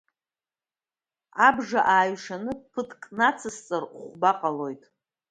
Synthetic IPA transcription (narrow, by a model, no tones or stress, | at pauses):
abʐaʔaːjɥʂanɨpʰɨtʰkʼnat͡sʰɨst͡sʼarχʷbaqʼalo̞jtʼ